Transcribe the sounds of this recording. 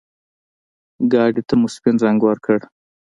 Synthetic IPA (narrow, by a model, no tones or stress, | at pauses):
ɡɑɖit̪amʊspinzaŋɡwaɾkʰəɽ